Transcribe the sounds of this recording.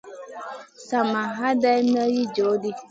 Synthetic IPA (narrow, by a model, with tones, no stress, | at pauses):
sa˨ma˨ɦa˦da˦jm˦ə˦ji˦d͡ʒo˨˦di˦